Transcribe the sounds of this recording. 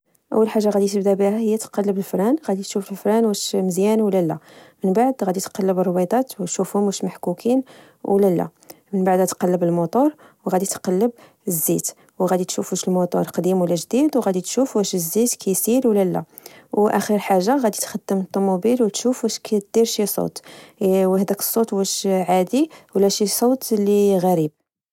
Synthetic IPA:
ʔə̰wːəlħaʒːaɣæd̪it̪əbd̪æbihæhəjːæt̪qɑlːəbəlfɾænɣæd̪it̪ʃufəlfɾænwæʃməzjænwlælːæ̰mənbaʕd̪ɣæd̪it̪qɑlːəbərˤwɑd̪ˤɑt̪wət̪ʃufhʊmæʃmaħkukʰin | wlælːæ̰ | mənbaʕd̪æt̪qɑlːəbəlmut̪ˤoɾˤ | wɣæd̪it̪qɑlːəb̚ | əzːit̪ | wɣæd̪it̪ʃufuʃəlmut̪ˤoɾˤqd̪imwlːæʒd̪id̪wɣæd̪it̪ʃufwæʃəzːit̪kʰæjsiɾwlælːæ̰ | wʔæxiɾħaʒːaɣæd̪it̪xɑd̪ːəmət̪ˤːomubilwət̪ʃufwæʃkæt̪̚d̪̥iɾʃisˤo̰t̪ | whd̪ækə̥sˤːot̪wæʃʕad̪iwlːæʃisˤot̪lːiɣæɾib̚

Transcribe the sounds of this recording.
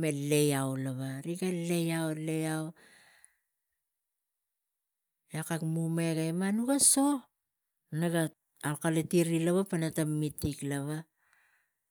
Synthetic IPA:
mele̞jawlaβaɾiɡale̞jawle̞jaw | jakakmumeɡajmanuɡaso̞ | naɡa | alkaletiɾilaβapanatamːitːiklaβa

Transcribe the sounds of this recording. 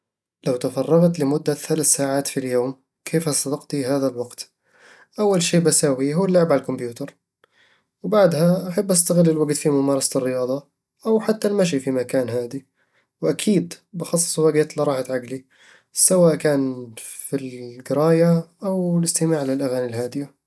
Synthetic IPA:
lawt̪afɑrˤːɑɣt̪lɪmʊd̪ːaθalaθsaːʕaːt̪filjoːm | kʰeːfasˤɑd̪ɑqt̪iɦaːðalwɑɡt̪ | ʔawːalʃeːbasaːwiɦuːalːʊʕbʕalalkʊmbjuːt̪ɑɾˤ | wbaʕd̪haʔaħabːʔast̪aɣɪlːɪlwaɡt̪fimʊmɑːɾˤɑsḁt̪ɪrːɪjɑːðˤɑ | ʔawħat̪ːalmaʃ̬ifimakaːnɦaːd̪i | wʔakʰiːd̪bɪxɑsˤːsˤwaɡeːt̪lɑɾˤɑːħat̪ʕaɡli | sawaːʔkaːnfilɡɪɾˤɑːjaʔawlɪst̪ɪmaːʕlɪlʔaɣaːnilɦaːd̪ɪja

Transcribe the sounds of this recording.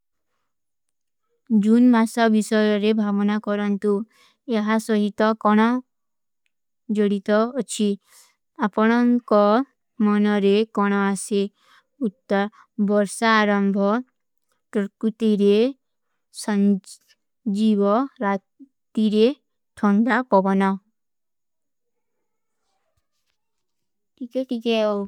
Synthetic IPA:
d͡ʒunmasɔbisɔjɔɾebʱabɔnakɔɾɔnt̪u | eɦasɔɦit̪ɔkɔɽ̃ɔ | d͡ʒɔɽit̪ɔːt͡ʃʰi | apɔɽ̃ɔŋkɔ | mɔnɔɾekɔɽ̃ɔase | ut̪ːɔ | bɔɾsaːɾɔmbʱɔ | ʈɔɾkut̪iɾe | sɔ | d͡ʒibɔɾatt̪iɾe | ʈʰɔɳdapɔbɔnɔ | ʈikɛʈikɛ

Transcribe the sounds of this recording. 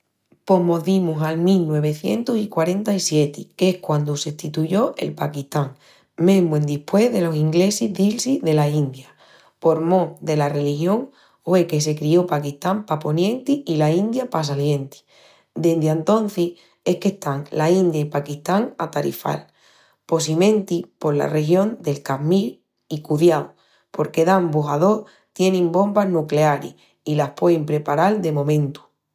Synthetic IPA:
po̞ɦmo̞ðimusalmilnwe̞β̞e̞θje̞̰nt̪osikwaɾe̞nt̪aisje̞t̪ikehkwand̪useht̪it̪uʝo̞ʔḛlpakiht̪aŋ | mẽɦmwend̪ihpwe̞ɦðe̞lo̞siŋɡle̞sizðilsiðe̞laind̪ja | po̞ɾmõd̪e̞lare̞lixjo̞ŋ | fwe̞ke̞s̬e̞kɾio̞pakiht̪ampapo̞njẽ̞nt̪iilaind̪japas̬alje̞nt̪i̥ | d̪end̪ant̪o̞n̟θih | e̞hke̞ht̪aŋlaind̪jaipakiht̪aŋat̪aɾḭfa̰l | po̞simẽ̞nt̪ipo̞ɾla̰re̞xjõ̞nd̪e̞lkamil | ikuðjawo | po̞ɾke̞ðambuɦaðo̞ | t̪je̞nĩmbo̞mbaɦnukle̞aɾḭh | ilahpwe̞impɾe̞paɾald̪e̞mõ̞mẽ̞nt̪u̥

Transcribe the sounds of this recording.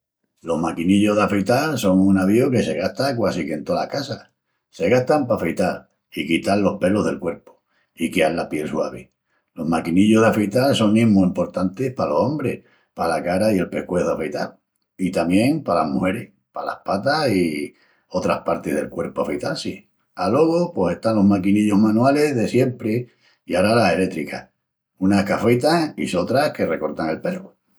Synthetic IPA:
lo̞hmakiniʎo̞ɦðafejt̪also̞ŋunaβioke̞se̞ɣaht̪akwasike̞nt̪ola̰hkasa | se̞ɣaht̪ampafejt̪al | ikit̪alːo̞hpe̞lo̞ɦðe̞lkwe̞ɾpo̥ | ikealːapje̞lswaβ̞e | lo̞makiniʎo̞ɦðafejt̪also̞ŋːĩmmuimpo̞ɾt̪ant̪ehpalo̞so̞mbɾeh | palakaɾaie̞lpe̞hkweðafejt̪al | it̪amjẽ̞ŋpalahmuhe̞ɾeh | pala̰hpat̪asi | o̞t̪ɾa̰hpaɾt̪eðe̞lkwe̞ɾpoafejt̪alsi | alwo̞ɣ̞opwo̞se̞ht̪anlo̞ɦmakiniʎoɦmanwale̞ɦðe̞sje̞mpɾe | iaɾalase̞le̞t̪ɾika | unahkafejt̪aḭso̞t̪ɾahke̞re̞ko̞ɾt̪aŋe̞lpe̞ro

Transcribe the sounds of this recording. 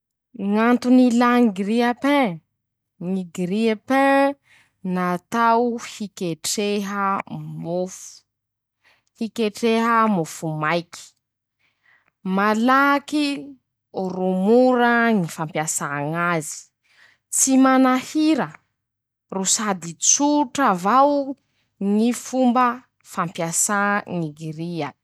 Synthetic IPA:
ŋant̪unilaŋiɡɾiapɛ̃ | ŋiɡɾiapɛ̃ | nat̪awhikeʈ͡ʂeɦəmofu̥ | hikeʈ͡ʂeɦəmofumajki̥ | malaki | rumuɾəŋifampjasaŋazi̥ | t͡simanahiɾə | rusad̪it͡suʈ͡ʂavaw | ŋifumbə | fampjasaŋiɡiɾia

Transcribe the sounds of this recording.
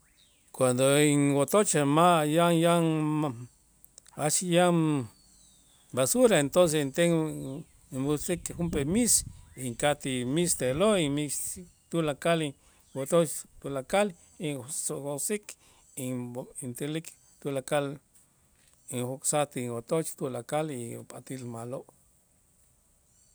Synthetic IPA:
kwand̪oiŋwot̪ot͡ʃamajaŋjaŋa | at͡ʃija | basuɾaent̪ons̬eint̪eŋ | bosikxumpemisiŋkat̪imist̪eloimi | t̪ulakal | wot̪ot͡ʃt̪ulakal | isohosik | iint̪elik | t̪ulakal | iŋhoksat̪iŋwot̪ot͡ʃt̪ulakalipʼat̪ilmaloʔ

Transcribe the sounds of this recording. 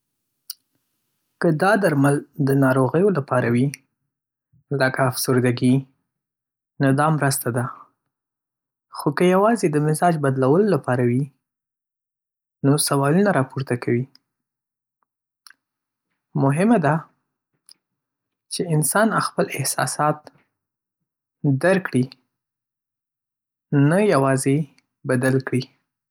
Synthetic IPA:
kəd̪ɑd̪aɾmald̪ənɑɾoɣəjolapɑɾawi | ləkaːfsʊɾd̪aɡi | nʊd̪ɑmɾəst̪ad̪a | xokəjawɑzed̪əmɪzɑd͡ʒbad̪lawəlolapɑɾawi | nosawɑlunaɾɑpuɾt̪akawi | mʊɦɪmad̪a | t͡ʃeɪnsɑnaxpəlɪhsɑ̰sɑt̪ | d̪aɾkɽi | najawɑze | bad̪alkɽi

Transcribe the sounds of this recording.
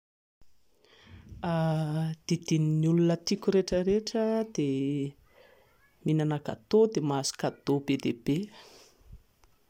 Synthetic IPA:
ad̪̥id̪ininulunət̪ikʲuɾeʈ͡ʂəɾeʈ͡ʂəd̪e | minanaka̰t̪od̪emazu̥kad̪̥obed̪eb̥e

